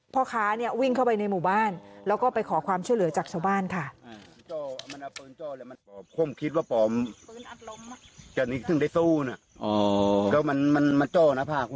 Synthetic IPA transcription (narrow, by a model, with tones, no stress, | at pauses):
pʰɔ˧˥kʰaː˦˥ni˥˩ɐwi˥˩ŋkʰa˥˩wpa˧jna˧jmuː˨˩baː˥˩nlɛː˦˥wkɔː˥˩pa˧jkʰɔː˩˦kʰwaː˧mt͡ɕʰu˥˩jlɯ˨˩˦ɐt͡ɕaː˨˩k̚t͡ɕʰa˧wbaː˥˩nkʰa˥˩a˧t͡ɕɔː˧˩a˧˩ma˧na˧˩pɤː˧˩nt͡ɕɔː˧˩lɛː˧˥ma˧ɔː˨˦mkʰu˧˥ə˨mkʰi˦t̪̚waː˧˥˩pɔː˨˩˦m˧na˧o˧mt͡ɕa˨˧˩ni˦˥t̪ʰɯ˧˩ŋda˥˩suː˧˩na˧˩ | ʔɔ˧kaː˧˩ma˧nma˧nma˧nt͡ɕɔː˧˩na˦˧˥pʰaː˧˩kʰ